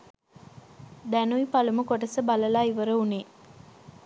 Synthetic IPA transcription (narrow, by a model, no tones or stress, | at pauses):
d̪ænuipɐluməkoʈɐsəbɐlɐlaːiʋəɾəuneː